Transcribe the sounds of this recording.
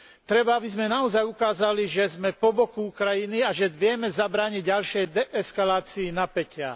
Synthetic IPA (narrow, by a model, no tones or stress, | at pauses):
t̪ɾɛbaabizmɛnaɔzajukaːzaliʒɛzmɛpɔbɔkuukɾajiniaʒɛʋɪɛmɛzabɾaːɲiɟɟalʃɛjd̪ɛʔɛskalaːt͡siːnapɛcɪa̰